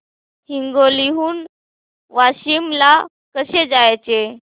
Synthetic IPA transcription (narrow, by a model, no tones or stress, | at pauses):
hiŋɡoliɦuːn | ʋaɕimla | kəɕed͡zajt͡se